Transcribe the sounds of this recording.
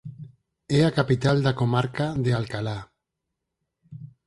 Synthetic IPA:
eakapit̪ald̪akomaɾkaðealkala

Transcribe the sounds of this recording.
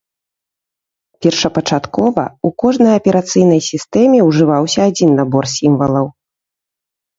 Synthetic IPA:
pʲɛrʂɐpɐt͡ʂat̪kɔvɐ̰ukɔʐnɐjɐpʲɛɾat̪sɨjn̪ɐjsʲist̪ɛmʲɛuʐɨvawsʲɐːd͡zʲinːabɔrsʲimvɐlˠɐw

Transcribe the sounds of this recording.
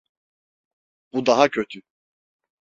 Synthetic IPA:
b̥ud̪aɦacʰøt̪ʰy

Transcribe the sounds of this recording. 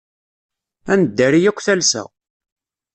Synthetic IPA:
ænəd̪ːæɾijækʷːθælsæ̰

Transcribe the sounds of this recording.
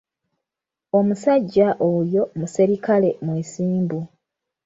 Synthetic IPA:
o̞musaɟːaʔojo̞museɾikale̞mweːsiːmbu

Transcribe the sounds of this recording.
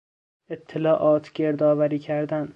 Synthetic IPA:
et̪ʰːelɒːʔɒːt̪ʰɡeɾd̪ɒːvæɾiːcʰæɾd̪æn

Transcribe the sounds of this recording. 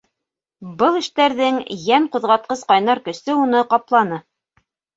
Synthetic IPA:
bɤlˠɘ̆ʃt̪æɾðɘŋjæɴqŏðʁɑt̪̚qɤsqɑjnɑɾkɵ̆sɘunɤqɑplˠɑnɤ

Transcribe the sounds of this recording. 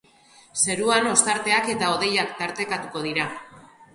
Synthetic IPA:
se̞ɾuano̞st̪aɾt̪e̞ake̞t̪ao̞ð̞e̞jakt̪aɾt̪e̞kat̪uko̞ð̞iɾa

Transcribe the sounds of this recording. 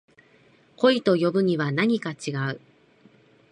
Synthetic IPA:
ko̞it̪o̞jo̞bɯ̟ɲ̟iβanaɲ̟ikat͡ɕiɡaɯ̟

